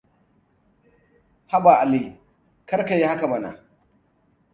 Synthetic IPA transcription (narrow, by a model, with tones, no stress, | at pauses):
ha˦ba˨ʔa˨li˦ | kɐ˦ɾka˨ji˦ha˦ka˨mɐ˨na̰˨